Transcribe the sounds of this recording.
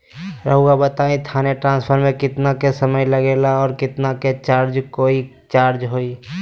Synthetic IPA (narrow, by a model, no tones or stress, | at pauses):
ɾəɦuɡabət̪aːĩt̪ʰaːneʈɾãːspʰəɾmẽkɪt̪nakesəməjləɡeːlaɔːɾkɪt̪naket͡ʃaːɾd͡ʒkoːi | t͡ʃaːɾd͡ʒɦoːi